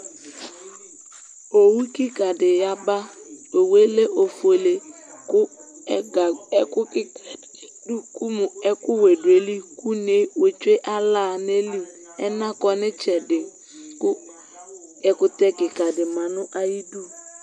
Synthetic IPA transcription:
o˨wu˦ki˦ka˨dɪ˨ja˦ba˦o˨we˦le˦ʔo˨fo˨le˨ | kʊ˦˨˦ | kʊ˦k | ku˦m˨ɛ˦kʊ˦we˨de˨li˦ku˦ne˨˦we˨t͡ʃwe˦ʔa˦laː˦˨ne˦li˦ | ɛ˦na˦kɔ˨nɪ˦t͡ʃɛ˨dɪ˨ | kʊ˦ | ɛ˨kʊ˨tɛ˦kɪ˨ka˨dɪ˨ma˨nʊ˦ʔa˦ji˦du˦˨

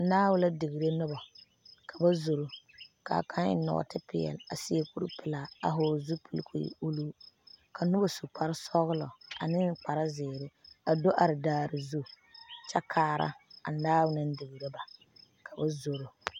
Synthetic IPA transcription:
naː˦wʊ˦la˦dɪ˨ɣi˨ɾe˦nʊ˦ba˨ | kʰa˨ba˦zo˨ɾo˨ka̰˨kʰa˦ɪ̰˦nɔ̰˨tɪ˦pɪ̰˨jɛ̰˨la̰˨sɪ˦e˦ku˦ɾpɪ˨la˨a̰˨ɦʊː˨zu˦pʰɨ˦lkʰṵ˨u˦lu˦ka˨nʊ˦ba˨su˨k͡pa˨ɾɪ˦sɔ˦ɣʊ˦lɔ̰˨a̰˨nɪ˦ŋk͡pa˨ɾa˦zɪː˨ɾɪ˦a˨do˦ʔa˨ɾɪ˨daː˨ɾɪ˨zu˦ | t͡ʃa˦kʰaː˦ɾa̰˦a̰˨naː˦wʊ˦nɨ˦n˦dɪ˨ɣi˨ɾe˦ba˨ | kʰa˨ba˦zo˨ɾo˨

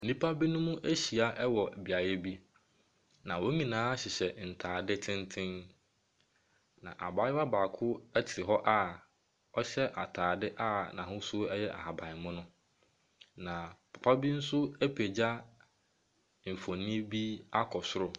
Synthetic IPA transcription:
n̩˨nĩ˦pʰa˦bi˦nʊ̃˦mũ˦ʔe˦ɕi˨a˨ʔɛ˦wɔ˨bi˨a˨jɛ˦bi˦ | nã˨wɔ˦ɲĩ˨nãː˦a˦ɕɪ˨ɕɛ˨n̩˨tʰaː˨dɪ˦tʰɪ̃˦ntʰɪ̃˦n | nã̰˨ʔa̰˨baː˦jɪ˦a˦baː˨kʰʊ˦ɛ˦tʰɪ˨ɾɪ˨ɦɔ˦ʔa˦ | ɔ˦ɕɛ˦ʔa˨tʰaː˨dɪ˦ʔa˦nã˨ɦʊ̃˦sʊ˦ɛ˦jɛ˦ʔa̰˨ha˨bã˨ɪ˨mʊ̃˦nʊ̃˦ | nã˨pʰḁ˨pʰa˦bi˦n̩˦sʊ˦ɛ˦pʰe˨d͡ʑa˦ | m̩˨fõ˨nɪ̃˦bi˦a˦kʰɔ˨sʊ˦ɾʊ˦

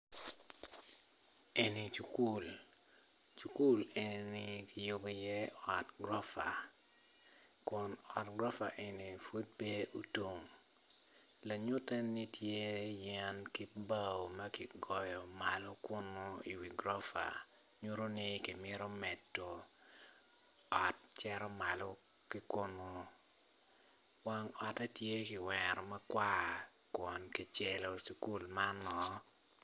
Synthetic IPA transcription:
e˨ni˨t͡ʃu˨ku˦l | t͡ʃu˨ku˦le˨ni˨nɪ˦kɪ˨jo˦ɡo˨jɛ˦ɔ˨tɡɾɔ˦fa˨ | kʊ˨nɔ˨tɡɾɔ˦fa˨ʔe˨ni˨fu˦t̚be˦ʔu˨to˨ŋ | la˨ɲʊ˦tɛ˦ni˦tʰje˦jɛ˦nki˦ba˦˨o˨mɐ˦kɪ˨ɡɔ˨jɔ˨ma˨lo˦kʊ˦no˦i˨wi˨ɡɾɔ˦fa̰˨ | ɲu˦ɾo˦nɪ˦kɪ˨mɪ˦ɾo˦mɛ˨tːo˨ | ɔ˨t̚t͡ʃɛ˦ɾɔ˦ma˨lɔ˦ | kɪ˦kʊ˦no˨ | wa˦ŋɔ˨ta˦tje˦kɪ˨wɛ˨ɾɔ˨mɐ˦kwa˦˨ | kwɔ˨nkɪ˨t͡ʃɛ˨lo˨si˨ku˦lma˦nɔ˨

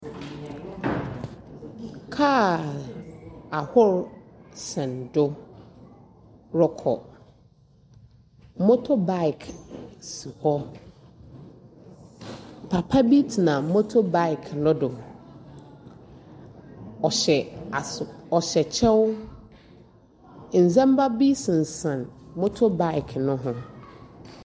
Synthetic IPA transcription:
kʰa˦ | a˨hʊ˦ɾsɛ̃˨ndʊ˦ | ɾʊ˦kʰɔ˨˦ | mo˦tʰo˦ba˦ɪ˨kʰsi˨hɔ˦ | pʰa˨pʰa˦bi˦tʰnã˨mo˦tʰo˦ba˦ɪ˨kʰnʊ̃˦dʊ˨ | ɔ˨ɛ˨a˨ɔ˨ɕɛ˨t͡ɕʰɛ˦w | n̩˨zɛ̃˦m˦ba˦bi˦sɪ̃˨n˨sã˨nmo˦tʰo˦ba˦ɪ˨kʰnʊ̃˦ɦʊ̃˦

